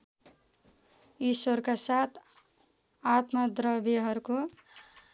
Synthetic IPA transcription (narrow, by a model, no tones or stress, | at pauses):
iswʌɾkasat̪ʰ | at̪mʌd̪ɾʌbiɦʌɾuko